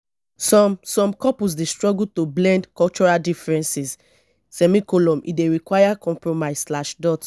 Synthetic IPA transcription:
sɔ̃msɔ̃mkɔpus̬destɹɔɡutoblɛ̃ndkɔlt͡ʃɔɹaldifɹɛ̃nsis | sɛmikɔlɔ̃mʔḭdeɹikwajakɔ̃mpɹɔmaɪsslaʃdɔt

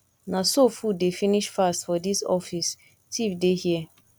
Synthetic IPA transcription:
nasofudefiniʃfastfɔdisɔ̰fis | tʰifdehiɛ

